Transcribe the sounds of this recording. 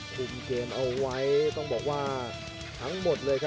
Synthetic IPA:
kʰu˨˩mkeː˧mʔa˧wːa˦˥jt̪ɔ˥˩ŋbɔː˨˩k̚waː˥˩ | t̪ʰa˦˥ŋmo˨˩t̪̚lɤː˧jkʰa˦˥

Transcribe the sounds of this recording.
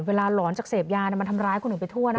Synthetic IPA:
weː˧laː˧lɔː˩˦nt͡ɕaː˨˩k̚seː˨˩p̚jaː˧n˧˩ma˧nt̪ʰa˧mɾaː˧˥jkʰu˧nː˨u˩˦pa˧jt̪ʰu˥˩ɐna˦˥

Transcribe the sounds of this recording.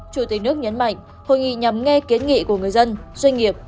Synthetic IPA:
t͡ɕu˧˩t̪i˨˩k̚nɨ˦˥ək̚ɲə˨˦nma̰˧˨jŋ̟ | ho̰˧˨jŋḭ˧˨ɲa˨˩mŋɛ˧ki˨˦ənŋḭ˧˨ku˧˩əŋɨ˨˩əjzə˧nzwa˧jŋ̟ŋi˨˩əp̚

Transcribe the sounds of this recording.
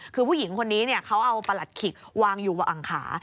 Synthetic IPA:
kʰɯː˧pʰu˥˩ji˩˦ŋkʰo˧nːiː˦˥ni˥˩ɐkʰa˦˥wʔa˧wpa˧la˨˩t̪̚kʰi˨˩k̚waː˧ŋjuː˨˩wa˨˧˩ʔa˨˩ŋkʰa̰ː˩˦

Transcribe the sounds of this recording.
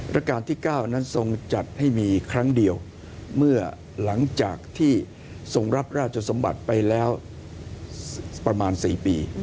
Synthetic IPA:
ɾʔa˦˥kaː˧nt̪ʰiː˥˩kaː˥˩wna˦˥nso˧ŋt͡ɕa˨˩t̪̚ha˥˩jmiː˧kʰɾa˦˥ŋdi˧əw | mɯ˥˩ɐ | la˩˦ŋt͡ɕa̰ː˨˩k̚t̪ʰiː˥˩ | so˧ŋɾa˦˥p̚ɾaː˥˩t̪̚t͡ɕʰa˧so˩˦mba̰˨˩t̪̚pa˧jlɛː˦˥w | pɾa˧maː˧nsiː˨˩piː˧

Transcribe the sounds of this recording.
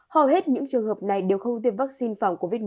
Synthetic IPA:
hə˨˩whe˦˥t̚ɲɨ̰˧˥ŋt͡ɕɨ˨˩əŋhəː˨˩p̚na˨˩jɗe˨˩wxə˧wŋ͡mt̪i˧˩əp̚va˦˥k̚si˧nfaː˧˩wŋ͡mko˧vi˦˥t̚

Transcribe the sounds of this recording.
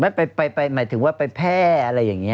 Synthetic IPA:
ma˥˩pa˧jpa˧jpa˧jmaː˩˦t̪ʰɯ˩˦waː˥˩pa˧jpʰɛː˥˩ʔa˧ɾa˧jːaː˨˩ŋi˦˥

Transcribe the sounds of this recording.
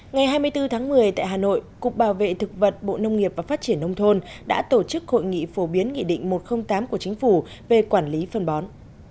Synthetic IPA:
ŋa˨˩jɦaː˧jmɨ˧əjt̪ɨ˧t̪ʰaː˨˦ŋmɨ˨˩əjt̪a̰ː˧˨jɦaː˨˩no̰˧˨jkʊ̰˨ŋ͡m̚ɓaː˧˩wvḛ˧˨t̪ʰɨ˨˩k̚və˨˩t̚ɓo̰˧˨nə˧wŋ͡mŋi˨˩əp̚vaː˨˩faː˦˥t̚t͡ɕi˧˩ənːə˧wŋ͡mt̪ʰo˧nɗa̰ː˧˥t̪o˧˩t͡ɕɨ˦˥k̚ho̰˧˨jŋḭ˧˨fo˨˧˦ɓi˨˦ənŋḭ˧˨ɗḭ̈˧˨ŋ̟mo˨˩t̚xə˧wŋ͡mt̪aː˨˦mku˧˩ət͡ɕï˨˦ŋ̟fu˧˩ | ve˨˩kwaː˧˩nli˨˦fə˧˩nɓɔ˨˦n

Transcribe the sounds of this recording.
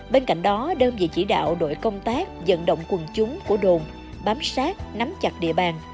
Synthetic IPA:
ɓe˧nka̰˧˨jŋ̟ɗɔ˨˦ɗə˧nvḭ˧˨t͡ɕi˧˩ɗa̰ː˧˨wɗo̰˧˨jkə˧wŋ͡mt̪aː˦˥k̚zə̰˧˨nɗə̰˧˨wŋ͡mkwə˨˩nt͡ɕʊ˨˦ŋ͡mku˧˩əɗo˨˩m | ɓaː˨˦msaː˦˥t̚na˨˦mt͡ɕa˨˩t̚ɗḭ˧˨əɓaː˨˩n

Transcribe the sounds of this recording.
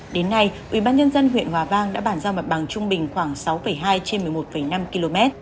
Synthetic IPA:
ɗe˨˦nːa˧jʔwḭ˧˩ɓaː˧nɲə˧nzə˧nɦwḭ˧˨ənhwaː˨˩vaː˧ŋɗa̰ː˧˥ɓaː˧˩nzaː˧wma˨˩t̚ɓa˨˩ŋt͡ɕʊ˧ŋ͡mɓï˨˩ŋ̟xwaː˧˩ŋsa˨˦wfə˧˩jɦaː˧jt͡ɕe˧nmɨ˨˩əjmo˨˩t̚fə˧˩jna˧mki˧lo˧mɛ˦˥t̚

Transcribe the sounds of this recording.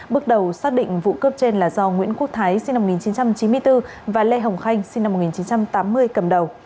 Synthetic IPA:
ɓɨ˦˥ək̚ɗə˨˩wsaː˦˥k̚ɗḭ˧˨ŋ̟vṵ˧˨kəː˦˥p̚t͡ɕe˧nlaː˨˩zɔ˧ŋwḭ˧˥ənku˦˥ək̚t̪ʰaː˨˦jsi˧na˧˨˩ŋi˨˩nt͡ɕi˨˦nt͡ɕa˧mt͡ɕi˨˦nmɨ˧əjt̪ɨ˧ | vaː˨˩lɛ˧ɦə˨˩wŋ͡mxa˧jŋ̟si˧ŋna˧mo˨˩i˨˩t͡ɕi˨˦nt͡ɕa˧mt̪aː˨˦mːɨ˧əjkə˨˩mɗə˨˩w

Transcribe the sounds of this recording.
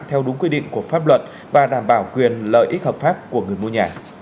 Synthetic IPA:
t̪ʰɛ˧wɗʊ˨˦ŋkwi˧ɗḭ˧˨ŋku˧˩əfaː˦˥p̚lwə˨˩t̚ | vaː˨˩ɗaː˧˩mɓaː˧˩wkwi˨˩ənlə̰ː˧˨jʔi˦˥t̚həː˨˩p̚faː˦˥p̚ku˧˩əŋɨ˨˩əjmo˧ɲaː˨˩

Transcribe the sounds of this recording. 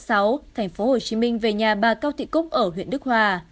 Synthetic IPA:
sa˨˦wt̪ʰɛ˨˩jŋ̟fo˨˦ho˨˩t͡ɕi˨˦mï˧ŋ̟ve˨˩ɲaː˨˩ɓaː˨˩kaː˧wt̪ʰḭ˧˨kʊ˦˥k͡p̚ʔəː˧˩ɦwḭ˧˨ənɗɨ˦˥k̚hwaː˧˩

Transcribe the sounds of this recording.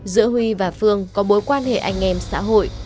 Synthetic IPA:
zɨ̰˧˥əɦwi˧vaː˨˩fɨ˧əŋkɔ˨˦ɓo˨˦jkwaː˧nhḛ˧˨ʔa˧jŋ̟ʔɛ˧msa̰ː˧˥ɦo̰˧˨jʔ

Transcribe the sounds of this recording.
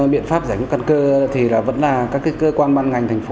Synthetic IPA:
ɓḭ˧˨ənfaː˦˥p̚zaː˧˩jŋu˦˥ka˧nkəː˧t̪ʰi˨˩laː˨˩və̰˧˥nlaː˨˩kaː˦˥kːi˦˥kəː˧kwaː˧nɓaː˧nŋa˨˩jŋ̟t̪ʰɛ˨˩ŋ̟fo˨˦

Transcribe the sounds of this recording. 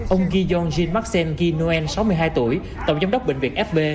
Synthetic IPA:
ʔə˧wŋ͡mɣi˧zɔ˧nzi˧nma˦˥k̚sɛ˧nɣi˧nu˧ɛ˧nsa˨˦wmɨ˧ɦaː˧jt̪u˧˩əj | t̪ə̰˨˧˩ŋ͡mza˧˦wŋ͡mɗə˦˥k͡p̚ɓḭ˧˨ŋ̟vḭ˨˩əŋʔɛ˦˥f̚ɓe˧

